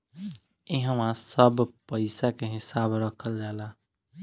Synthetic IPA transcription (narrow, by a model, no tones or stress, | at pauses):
iɦəmãsəbpəɪsakeɦisabɾəkʰəld͡ʒala